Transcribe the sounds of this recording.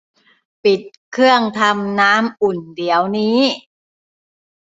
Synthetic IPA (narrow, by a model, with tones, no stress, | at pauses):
pi˨˩t̪̚kʰɯ˥˩əŋt̪ʰa˧mnaː˦˥mʔu˨˩ndi˨˩əwniː˦˥